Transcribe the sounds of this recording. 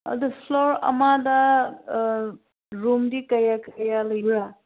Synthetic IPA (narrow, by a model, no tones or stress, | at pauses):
ʌ̰d̪ufʰloɾɐ̰mad̪a | ɾumdikɐjakəjalɐjɾa